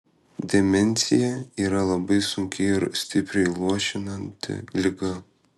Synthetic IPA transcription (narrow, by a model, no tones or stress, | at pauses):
d̪ʲɛmʲɛnʲˑsʲɪjɛiːɾɐlˠɐbɐɪsʊŋʲkʲɪɪɾsʲt̪ʲɪpʲɾʲɛɪlˠuɔʃʲɪnɐnʲt̪ʲɪ̰lʲɪɡɐ